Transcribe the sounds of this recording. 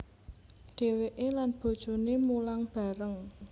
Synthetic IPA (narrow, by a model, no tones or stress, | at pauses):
ɖ̥e̤weʔelanb̥o̤d̥ʒ̥o̤nemulaŋb̥a̤ɾəŋ